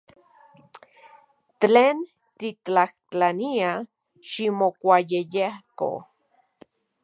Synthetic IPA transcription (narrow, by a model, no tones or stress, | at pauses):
teːn | t̪it͡ɬaht͡ɬania | ʃimokʷajejehko̰